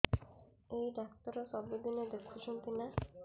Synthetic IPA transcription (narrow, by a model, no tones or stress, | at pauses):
ejɖakt̪ɔɾɔsɔbed̪ined̪ekʰːut͡ʃʰunt̪ina